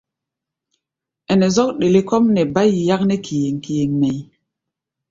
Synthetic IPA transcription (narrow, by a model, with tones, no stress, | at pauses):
ɛ˨nɛ˨zɔ˦k̚ɗe˨le˦kɔ˦mnɛ˨ba˦ji˨ja˦k̚nɛ˦kʰi˨je˨ŋki˨je˨ŋmɛ˨j